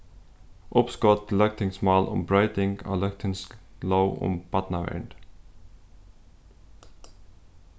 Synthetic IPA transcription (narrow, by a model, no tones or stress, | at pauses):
ʔʊpskɔt̪lœk̚t̪ʰɪŋsmɑːlʔʊ̰mbɹɑʏt̪ɪŋɡɑ̰ːlœkt̪ʰɪŋsloʊʊ̰mb̥ɑt̪nɑʋæ̰ɳɖ